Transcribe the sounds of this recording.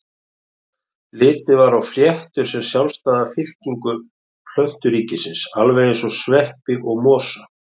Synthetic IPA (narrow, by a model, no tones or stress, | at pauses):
lɪːt̪ɪvaɾawfɾjɛht̪ʏɾ̥sɛmsjawlst̪aːðafɪl̥ciŋkʏ | pʰl̥œht̪ʏɾiːcɪsɪnsalvɛjɪnsɔsvɛhpɪʔɔɣmɔːsa